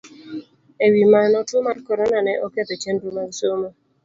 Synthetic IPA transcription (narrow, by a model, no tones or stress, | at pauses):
ewimanɔtʊmarkɔɾɔnanɛʔɔkɛt̪ɔt͡ʃendumarsomo